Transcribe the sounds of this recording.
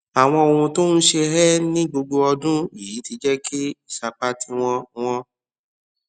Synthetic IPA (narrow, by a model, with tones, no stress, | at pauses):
a˨w̃ɔ̃˧o˨hũ˧to˦nũ˦ʃe˧ɦɛ˦nĩ˦ɡ͡bo˧ɡ͡bo˧ɔ˧dũ˦i˨i˨˦ti˧d͡ʒɛ˦ki˦i˦˨ʃa˧k͡pa˦ti˧w̃ɔ̃˧w̃ɔ̃˦